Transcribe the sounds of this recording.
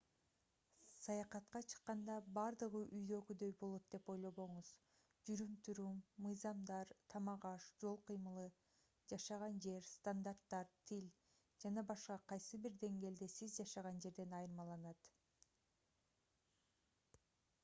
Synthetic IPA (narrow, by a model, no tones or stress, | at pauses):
sɑjɑqɑt̪qɑt͡ʃʰɯ̥qːɑnd̪ɑbɑɾd̪ɯʁɯʔyjd̪økyd̪ø̞jbo̞lˠo̞t̪̚d̪e̞po̞jlˠo̞βo̞ɴuz̥ | d͡ʒyɾymt̪uɾymːɯjzɑmd̪ɑɾt̪ʰɑmɑʁɑʃd͡ʒo̞lˠqɯjmɯlˠɯ | d͡ʒɑʃɑʁɑnd͡ʒe̞ɾst̪and̪art̪ːɑɾt̪ʰilʲ | d͡ʒɑnɑbɑʃqɑqʰɑjsɯbiɾd̪e̞ŋɡe̞ːld̪e̞sizd͡ʒɑʃɑʁɑnd͡ʒe̞ɾd̪e̞nɑjɯɾmɑlˠɑnɑt̪